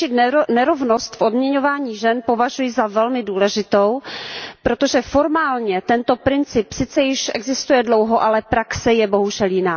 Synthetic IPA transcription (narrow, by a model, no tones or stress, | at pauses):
ɪt̪nɛɾovnost̪fodmɲɛɲovaːɲiːʒɛnpo̞vaʒujɪzavɛlmɪduːlɛʒɪt̪o̞wpɾot̪oʒɛfo̞ɾmaːlɲɛt̪ɛnt̪o̞pɾɪnt͡sɪpsɪt͡sɛjɪʃʔɛ̰ɡzɪst̪ujɛdlo̞wɦo̞ʔalɛpɾaksɛjɛbo̞ɦuʒɛljɪnaː